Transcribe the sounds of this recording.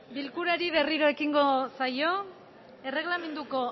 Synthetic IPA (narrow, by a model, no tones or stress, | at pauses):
bilkuɾaɾiβe̞riɾo̞e̞kiŋɡo̞sajo̞ | e̞re̞ɣlame̞nd̪uko̞